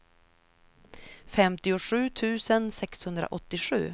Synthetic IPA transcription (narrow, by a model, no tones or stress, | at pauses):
fɛmt̪ɪʊʂʉ̟ːt̪ʰʉ̟ːsənsɛkshɵnd̪ɾa̰ʔɔt̪ːɪɧʉ̟̰ː